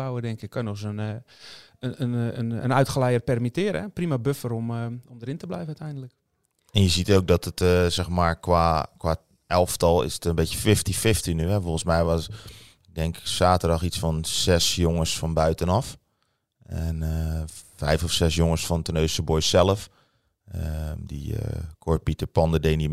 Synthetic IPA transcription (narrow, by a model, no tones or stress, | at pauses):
awədɛŋkɪkːɔnɔxsən | ənənə̰nœɥtχəlɛjərt̚pɛrmitɪːɾəɛprimabøfəɾɔmɔmdəɾɪntəblɛjvənœtɛjndələk | ɛnjəzitowk̚dɔtətəsɛxmaːɹkʋaːkwʋa | ɛlˠftɔlˠɪ̰sətənbetjəfɪftifɪftinyɦɛfolˠənsmɛjʋɔs | ɡ̚dɛŋksaːtərdɔxisfɔnsɛsjoŋəsfɔnbœɥtənɔf | ɛnəfɛjfɔfsɛsjoŋəsfɔntənøɥsəbojsɛlˠəf | ədḭə̰kʰot̚pitəɹpɔndədeni